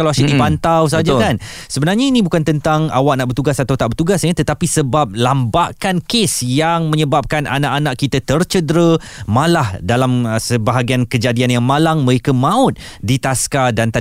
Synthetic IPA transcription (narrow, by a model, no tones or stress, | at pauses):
alawasidipant̪aws̬ad͡ʒakan | səbənarɲainĩbukant̪ənt̪aŋa̰waʔ̚naʔbərt̪uɡasat̪awt̪aʔbərt̪uɡasɲət̪ət̪apisəbap̚lambaʔkankesjaŋmə̃ɲəbap̚kanʔa̰naʔanaʔkːit̪ət̪ərt͡ʃədɾə | malahdalamsəbaɦaɡiankəd͡ʒadianjaŋmalaŋməɾekəmãʊt̪̚dit̪askadant̪a